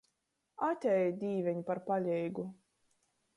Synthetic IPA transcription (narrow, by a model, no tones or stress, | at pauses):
at̪ʲɛjd̪ʲiːvʲɛɲipaɾpalʲɛjɡu